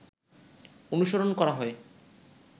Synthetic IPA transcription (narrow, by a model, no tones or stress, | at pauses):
onuʃoɾonkɔɾaɦɔe